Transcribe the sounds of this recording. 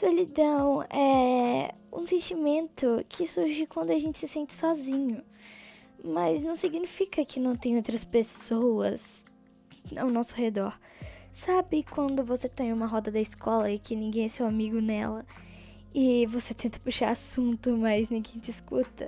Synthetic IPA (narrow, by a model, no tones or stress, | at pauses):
solid̪ɐ̃w̃ɛ | ṵ̃sẽt͡ʃimẽnt̪ʊkʰɪsuɾʒikwɐ̃nd̪ʊɐʒẽnt͡ʃɪ̥sɪsẽnt͡ʃɪ̥sɔzĩɲʊ | mɐznɐ̃w̃siɡnifikɐkɪnɐ̃w̃t̪ẽj̃owt̪̬ɾɐspesowɐ̰z | awnɔsʊhed̪ɔɾ | sabɪkwɐ̃nd̪ʊvoset̪ẽj̃ũmɐɦɔd̪ɐd̪ɐɪskɔlɐikɪnĩɡẽj̃ɛsewamiɡʊnɛlɐ | ɪvoset̪ẽnt̪ɐ̥puʃaɾasũnt̪ʊmɐznĩɡẽj̃t͡ʃ̪ɪiskut̪ɐ